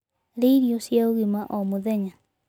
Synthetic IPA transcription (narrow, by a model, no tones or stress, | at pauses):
ɾeiɾiosjaoɣimaʔomoðɛɲa